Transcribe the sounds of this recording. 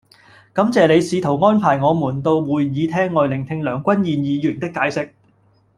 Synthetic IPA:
kɐ˨˧˥mt͡sɛː˨le˨˧jsiː˨˧t̪ʰo˨˩wŋɔː˥npʰaː˨˩jŋɔː˨˧muː˨˩nt̪o˧wwuː˨jjiː˨˧t̪ʰɛː˥ŋːɔː˨jlɪ˨˩ŋt̪ʰɪ˧ŋlœː˨˩ŋkʷɐ˥njiː˨˧njiː˨˧jyː˨˩nt̪ɪ˥kːaː˨˧jsɪ˥k̚

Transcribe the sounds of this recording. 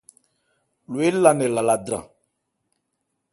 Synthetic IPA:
lo˨e˦la˨nɛ˨la˨la˨dɾã̰˨

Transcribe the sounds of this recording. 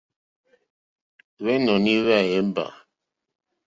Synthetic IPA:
βɛ˦nɔ˨ni˦βɛ˦˨ɛ˨˦m˦ba̰˨

